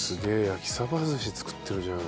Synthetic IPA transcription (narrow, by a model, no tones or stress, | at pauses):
sɨɡe̞ːjakʲi̥saβazɨɕit͡sɨ̥kɯ̥t̪ʰːeɾɯ̟d͡ʑana